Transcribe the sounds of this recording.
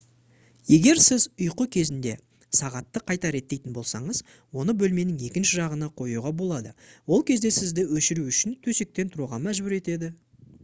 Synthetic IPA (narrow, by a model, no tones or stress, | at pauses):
je̞ɡʲe̞ɾsɪzʊjqəkʲʰe̞zɪnd̪e̞ | sɑʁɑt̪ːəqʰɑjt̪ɑɾe̞t̪ːe̞jt̪ɪnbo̞lˠsɑɴəz | wo̞nəbɵlme̞nɪŋe̞kʲɪnʃɪʒɑʁənɑqʰo̞juʁɑbo̞lˠɑd̪əwo̞lˠkʲʰe̞zd̪e̞sɪzd̪ɪwɵʃɪɾuʏʃɪnt̪ʰɵse̞k̚t̪e̞nt̪ʰʊɾuʁɑmæʒbʏɾe̞t̪e̞d̪ɪ